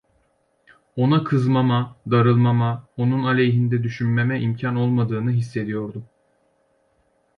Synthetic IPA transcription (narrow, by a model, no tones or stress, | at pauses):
o̞nakʰɯzmamad̪aɾɯlˠmamao̞nunalʲejɦind̪ɛd̪yʃynmemɛʔimcʰano̞lˠmad̪ɯːnɯɦisːe̞d̪ijo̞ɾd̪u